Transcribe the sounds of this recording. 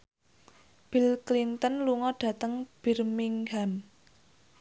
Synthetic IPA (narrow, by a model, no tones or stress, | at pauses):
b̥ilklint̪ənluŋɔɖ̥ä̤t̪əŋb̥irmiŋɡam